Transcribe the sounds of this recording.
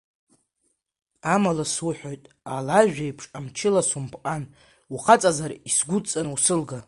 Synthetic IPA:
amalaswʊħʷᶣojtʼ | alaʒᶣajpʰʂʼamt͡ʃʰɪlasumpʰʼqʼan | uχat͡sʼazarisɡʷʊt͡sʼanusɨlɡa

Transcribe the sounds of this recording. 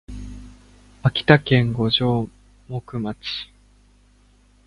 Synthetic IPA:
akʲi̥t̪akẽ̞ŋɡo̞ʑo̞ː | mokɯ̟mat͡ɕi̥

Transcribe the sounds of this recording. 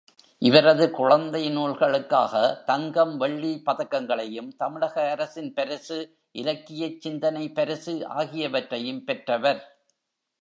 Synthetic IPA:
ʔɪʋɐɾɐðɯkʊɻɐnd̪ɐɪnuːlɣɐɭɯkːaːɣɐt̪ɐŋɡɐmʋɛɭːipɐðɐkːɐŋɡɐɭɐjɯmt̪ɐmɪɻɐɣɐːɾɐsɪnpɐɾɪsɯ | ʔɪlɐkːɪjɐt͡ʃːɪnd̪ɐnɐɪpːɐɾɯsɯʔa̰ːɣɪjɐʋɐʈrɐjɯmpɛʈrɐʋɐɾ

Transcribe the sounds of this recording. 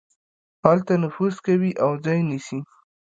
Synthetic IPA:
hɑlt̪anʊfuzkawiʔawzɑjnisi

